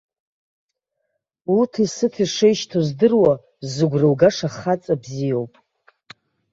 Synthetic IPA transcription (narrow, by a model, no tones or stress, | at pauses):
utʰisɨtʰiʂejʃtʰozdɨrwa | zɨɡʷrɨwɡaʂaχat͡sʼabzijo̞wpʼ